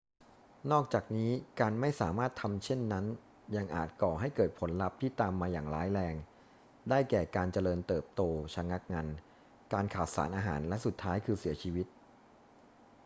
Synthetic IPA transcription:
nɔː˥˩k̚t͡ɕaː˨˩k̚niː˦˥kaː˧nma˥˩jsaː˩˦maː˥˩t̪ʰːa˧mt͡ɕʰe˥˩nːa˦˥n | ja˧ŋʔa̰ː˨˩t̪̚kɔː˨˩ɦa˥˩jkɤː˨˩t̪̚pʰo˩˦nla˦˥p̚t̪ʰiː˥˩t̪aː˧mːaː˧jaː˨˩ŋlaː˨˦˥jlɛː˧ŋ | daː˥˩jkɛː˨˩kaː˧nt͡ɕa˧lɤː˧nt̪ɤː˨˩p̚t̪oː˧t͡ɕʰa˧ŋa˦˥k̚ŋa˧n | kaː˧nkʰaː˨˩t̪̚sa̰ː˩˦nʔaː˧ɦa̰ː˩˦nlɛ˦˥su˨˩t̪ʰːaː˦˥jkʰɯː˧si˩˦ɐt͡ɕʰiː˧wi˦˥t̪̚

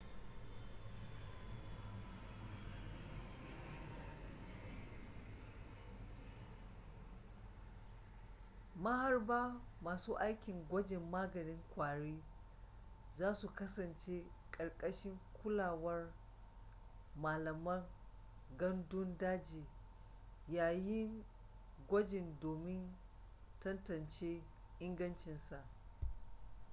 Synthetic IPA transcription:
mɐ˦ha˦rbaː˦maː˨suː˦ʔa˦jkʲɪ˨ŋɡʷɔ˦d͡ʒɪ˨mːaː˦ɡɐ˨nɪ˦ŋkʷaː˨ɽiː˦ | zaː˦su˨kɐ˦sɐ˨nt͡ʃe˦ | kʼɐ˨ɽkʼɐ˦ʃɪ˦ŋkʷʊ˦laː˨wɐ˦r | maː˨lɐ˨mɐ˦ŋ | ɡɐ˦ndʊ˦ndaː˦d͡ʒiː˨ | jaː˨jɪ˦ŋ | ɡʷɔ˦d͡ʒɪ˨ndoː˨mɪ˦n | tɐ˦ntɐ˨nt͡ʃeː˦ | ʔɪ˦ŋɡɐ˦nt͡ʃɪ˨nsa˨ʔ

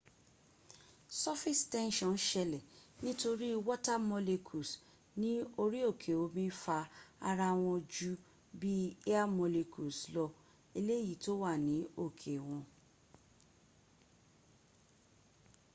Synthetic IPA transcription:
sɔ˦fi˦stɛ̃˦nʃɔ̃˨nʃɛ˧lɛ˨nĩ˦to˧ɾi˦˧wɔ˦ta˦mɔ˧le˧kʰu˨s | nĩ˨˦o˧ɾi˦o˦˨kʰe˨o˨˦mĩ˦fa˧a˧ɾa˧w̃ɔ̃˧d͡ʒu˦ | bi˦e˦a˦mɔ˧le˧kʰu˨slɔ˧ | e˧le˦ji˦˨to˦wa˦˨nĩ˨˦o˦˨kʰe˨w̃ɔ̃˧

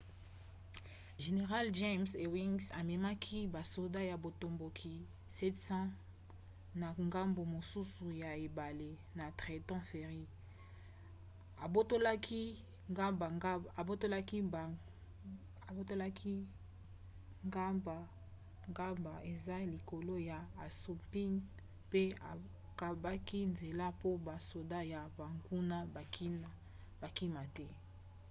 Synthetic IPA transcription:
ʒe˨ne˨ʁa˦lʒe˦mse˨wi˦ŋsa˨me˨ma˦kʰi˦ba˨so˨da˦ja˨bo˨to˨mbo˨kʰi˨ | sɛ˦tsã˦ | na˨ŋɡa˦mbo˨mo˨su˦su˨ja˨e˨ba˨le˨ | na˨tʁe˨tɔ̃˦fe˨ʁi˦ | a˨bo˦to˦la˦kʰi˦˨ | bo˦to˦la˦ki˦˨ | a˨bo˦to˦la˦kʰi˦ | ŋɡa˦mba˨ | ŋɡa˦mba˨e˨za˦li˨ko˨lo˦ja˨a˨su˨pi˦n | pe˦a˨ | ka˨ba˦ki˦nze˨la˦po˦ba˨so˨da˦ja˨ba˨ŋɡu˦na˦ba˨ki˦n˦ | ba˨ki˦ma˨tɛ˦

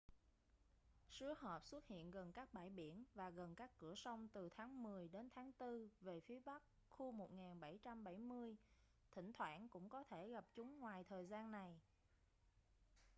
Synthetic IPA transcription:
sɨ˨˦əɦɔ˨˩p̚swə˦˥t̚hḭ˧˨ənɣə˨˩nkaː˦˥k̚ɓa̰ː˧˨˩jɓi˧˩ənvaː˨˩ɣə˨˩nkaː˦˥kːɨ˧˩əsə˧wŋ͡mt̪ɨ˨˩t̪ʰaː˨˦ŋmɨ˨˩əjɗe˨˦nt̪ʰaː˨˦ŋt̪ɨ˧ve˨˩fi˨˦əɓa˦˥k̚ | xu˧mo˨˩t̚ŋaː˨˩nɓa˧˩jt͡ɕa˧mɓa˧˩jmɨ˧əj | t̪ʰï˧˩ŋ̟t̪ʰwa̰ː˧˥nkʊ̰˧˥ŋ͡mkɔ˨˦t̪ʰe˧˩ɣa˨˩p̚t͡ɕʊ˨˦ŋ͡mŋwaː˨˩jt̪ʰəː˨˩jzaː˧nːa˨˩j

